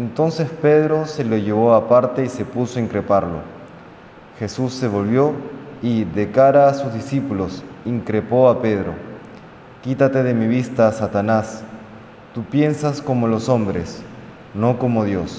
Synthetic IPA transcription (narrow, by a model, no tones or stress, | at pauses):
ent̪o̞nse̞spe̞ðɾo̞se̞loʝe̞β̞o̞apaɾt̪e̞ise̞puso̞iŋkɾe̞paɾlo̞̰ | xe̞susːe̞β̞o̞lβjo̞iðe̞kaɾaːsuzðisipulosiŋkɾe̞po̞ape̞ð̞ɾo̞̰ | kit̪at̪e̞ð̞e̞miβ̞ist̪aːsat̪anas | t̪upje̞nsasko̞mo̞lo̞so̞mbɾe̞s | no̞ko̞mo̞ðjo̞s